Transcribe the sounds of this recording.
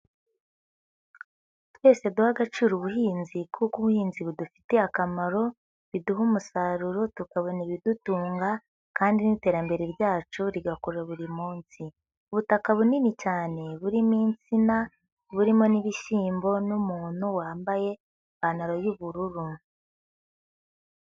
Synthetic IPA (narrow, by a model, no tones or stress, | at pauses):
twe̞ːse̞duhaɡat͡ʃuːɾuβuhiːnzikʰukuβuhiːnziβudufi̥te̞akamaɾo̞ | βiduɦumusaɾuɾotukaβo̞niβidutuːŋɡa | kaːndinite̞ːɾambe̞ɾeβjaːt͡ʃuɾiɡakoɾaβuɾimuːnsi | uβutakaβuninit͡ʃaːne̞βuɾimiːnt͡sina | βuɾimo̞niβiʃiːmbo̞numuːnuwaːmbaje̞ | βanaɾojuβuɾuɾu